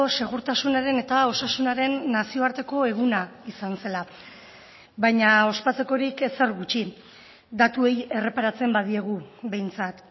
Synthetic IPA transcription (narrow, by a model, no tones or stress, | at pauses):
ose̞ɣ̞uɾt̪asunaɾe̞ne̞t̪ao̞sasunaɾe̞nːasio̞aɾt̪e̞ko̞e̞ɣ̞unaisanse̞la | βajɲao̞spat͡se̞ko̞ɾikese̞rɣut͡ʃi | d̪at̪ue̞je̞re̞paɾat͡se̞mbaðie̞ɣ̞uβe̞jnt͡sat̪